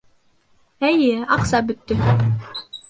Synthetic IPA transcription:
æjɘɑqsɑbɵt̪ːɵ

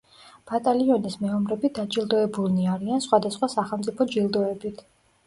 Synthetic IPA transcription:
b̥at̪ʼaliɔnismɛɔmɾɛbid̪ad͡ʒilˠd̪ɔɛbulˠniaɾiansχwad̪asχwasaχɛlˠmt̪sʼipʰɔd͡ʒilˠd̪ɔɛbit̪ʰ

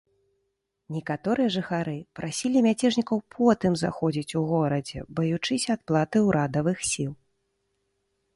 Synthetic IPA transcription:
nʲɛkat̪ɔɾɨjɐʐɨxaɾɨpɾʔasʲilʲimʲat͡sʲɛʐnʲikɐwpʰɔt̪ɨmza̰xɔd͡zʲit͡sʲuɣɔɾɐd͡zʲɛ̰bɐjut͡ʂɨsʲɐat̪̚plˠat̪ɨuwɾʔad̪ɐvɨxsʲilˠ

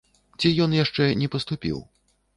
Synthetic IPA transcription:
t͡sʲijɔnjaʂt͡ʂɛnʲɛpɐst̪upʲḭw

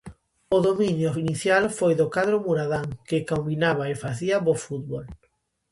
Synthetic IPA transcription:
oðomĩnjʊiniθjalfojðʊkaðɾomuɾaðaŋkɪkombinaβ̞aefaθiaβofut̪̚βol

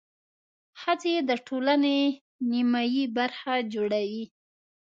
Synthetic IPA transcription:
hat͡sed̪əʈʰolane | nimajibaɾxad͡ʒoɽawi

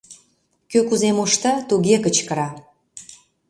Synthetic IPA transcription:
køkuzemoʃt̪ɑt̪uɣekət͡ɕkəɾɑ

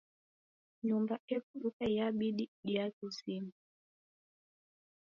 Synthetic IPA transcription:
ɲumbaɛkuɗukajaɓiɗiɗiatusimu

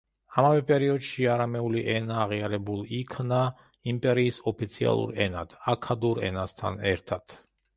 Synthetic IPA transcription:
amavɛpʼɛɾiɔd̪ʃiaɾamɛuliʔɛnaːʁiaɾɛbulˠikʰna | impʼɛɾiːsɔpʰit̪sʰia̰lˠṵɾɛna̰d̪̥ʰakʰad̪uɾɛ̰nast̪ʰa̰nɛɾt̪ʰat̪ʰ

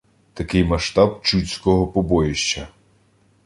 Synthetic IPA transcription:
t̪ɐkɪjmɐʃt̪ɑbt͡ʃut͡sʲkɔɦɔpɔbɔjɪʃt͡ʃɐ

